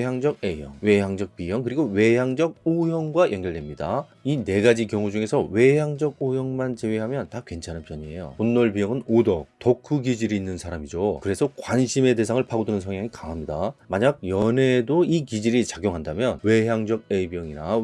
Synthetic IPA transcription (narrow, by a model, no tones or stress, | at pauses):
ɦjaŋd͡ʑʌɡejʌŋwe̞jaŋd͡ʑʌk̚pijʌŋkɯɾiɡowe̞jaŋd͡ʑʌɡ̚ojʌŋɡwajʌŋɡjʌɭdwe̞mɲida | ine̞ɡad͡ʑikjʌŋud͡ʑuŋe̞sʰʌwe̞jaŋd͡ʑʌɡ̚ojʌŋmant͡ɕeweɦamjʌntakwe̞nt͡ɕʰananpjʌɲie̞jo̰onːʌɭbijʌŋɯnodʌtokʰuɡid͡ʑiɾiːnːɯnsʰaɾamid͡ʑokɯɾe̞sʰʌkwanɕʰime̞de̞sʰaŋɯɭpʰaɡodɯnɯnsʰʌŋɦjaŋikaŋɦamɲidamaɲaɡ̚jʌne̞doikid͡ʑiɾit͡ɕaɡjoŋɦandamjʌnwe̞ɦaŋd͡ʑʌɡ̚ebjʌŋina̰